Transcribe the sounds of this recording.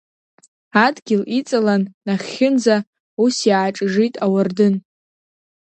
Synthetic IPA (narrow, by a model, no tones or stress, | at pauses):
adɡʲɪlit͡sʼalanːaχʲɪnza | usjaʈ͡ʂʼʐitʼawardɨn